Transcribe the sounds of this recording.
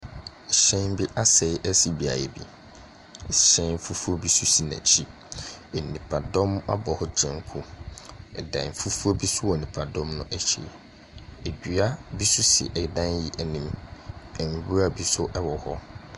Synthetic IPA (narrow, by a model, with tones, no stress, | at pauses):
ɕɛ̃˦m˦bi˦ʔa˦sɛ˨˦ʔɛ˦si˨bi˨a̰˨jɛ̰˨bḭ˨ | ɕɛ̃˦fu˦fu˦ɔ˦bi˦su˦si˨nã̰˨t͡ɕʰi˦ | ɛ˨nĩ˨pʰa˨dɔ̃˦ma̰˦bɔ˨hɔ˦d͡ʑʰɛ̃˨ŋ˦kʰu˦ɛ˨dã̰˨fu˦fu˦o˦bi˦sʊ˦wɔ˨nĩ˨pʰa˨dɔ̃˦mnʊ̃˦ʔɛ˦t͡ɕʰḛ˨ | e˨bᶣɥa˦bi˦su˦sɪ̰˨ʔɛ˨dã˦nji˨ʔɛ˨nĩ˨mɛ˨m˨bu˦a˨bi˦sʊ˦ʔɛ˦wɔ˨hɔ˦